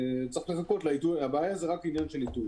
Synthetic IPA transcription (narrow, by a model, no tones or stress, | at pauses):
t͡saiχleχako̞tlaituabeaːjazeʁakinjanʃe̞litu